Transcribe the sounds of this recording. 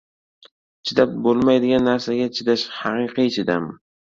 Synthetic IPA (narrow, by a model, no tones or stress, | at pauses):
t͡ʃʰɪd̪ap̚bolˠmajd̪ɪɡʲanːaɾsaɡʲat͡ʃʰɪd̪aʃhɑqɨqʰɨt͡ʃʰɪd̪am